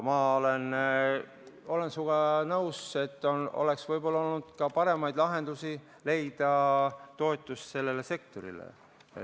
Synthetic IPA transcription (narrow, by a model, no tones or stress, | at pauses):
mɑolen | o̞le̞nsuɡ̥ɑnɤwse̞t̪ːono̞̰le̞ksvɤjbo̞lːɑo̞lnud̪̥kɑpɑɾe̞mɑjd̪lɑɦe̞nd̪̥usi | le̞jd̪̥ɑt̪o̞et̪ːˑust̪se̞lːe̞le̞se̞k̚t̪o̞ɾḭlḛ